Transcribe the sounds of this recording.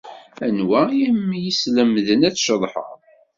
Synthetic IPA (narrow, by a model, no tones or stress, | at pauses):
ænwæjæmːjisləmðənæt͡sːʃəðˤħə̰ʁ